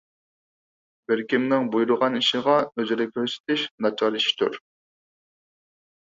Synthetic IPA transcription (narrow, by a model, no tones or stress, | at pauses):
beɾkʲimnɪŋbujuɾʊʁɑniʃiʁɑøzyɾɛkʲʰøɾse̥t̪ʰɪʃnɑt͡ʃʰɑɾiʃt̪ʰṵɾ